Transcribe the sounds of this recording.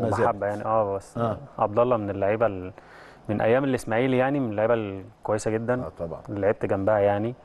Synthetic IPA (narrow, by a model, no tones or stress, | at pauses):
moħabːæjaʕniʔæːbæsːʔɑb̚d̪ɑlˤːɑmenelːoʕiːbæl | menʔæ̰jːæːmelːʔesmæʕiːljaʕnimenelːoʕiːbælkwæjːesæɡed̪ːænt̪ɑbɑlːeʕiːb̚t̪eɡæmbæhæjaʕni